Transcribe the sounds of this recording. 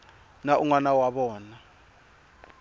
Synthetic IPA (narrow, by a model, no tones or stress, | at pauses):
naʔuŋwanawaɓɔːna